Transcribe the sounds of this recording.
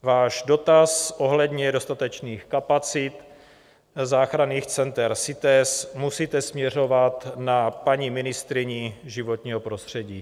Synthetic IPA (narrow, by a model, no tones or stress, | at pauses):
vaːʒdo̞t̪asʔo̞ɦlɛd̪ɲɛdo̞st̪at̪ɛt͡ʃniːxkapat͡sɪt̪ | zaːxɾaniːxt͡sɛnt̪ɛɾsɪt̪ɛsmusiːt̪ɛsmɲɛr̝o̞vat̪napaɲimɪnɪst̪ɾɪɲiʒɪvo̞t̪ɲiːɦopɾo̞st̪r̝̥ɛɟiː